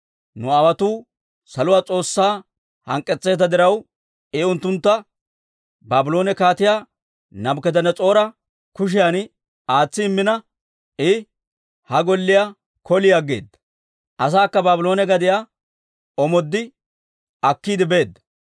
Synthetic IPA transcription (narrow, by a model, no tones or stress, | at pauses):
nʊawɐt̪uː | sɐlʊwaːt͡sʼo̞ːsːaː | hɐ̰ŋkʼːɛt͡sʼːe̞ːt̪ɐd̪ɪɾɐw | ɛʊnt̪ːʊnt̪ːɐ | baːbɪlo̞ːnɛkaːt̪ɪjaː | nɐbkɛd̪ɐnːɛt͡sʼo̞ːɾɐ | kʊʃ̬ɪjan | aːt͡sːɪːmːɪnɐ | ɪ | hɐɡɔlːɪja | kɔlɪjaɡːḛːd̪ːɐ̥ | ʔɐs̬aːkːɐbaːbɪlo̞ːnɛɡɐd̪ɪja | ɔmɔd̪ːɪ | ɐkːiːd̪ɪbe̞ːd̪ːɐ̥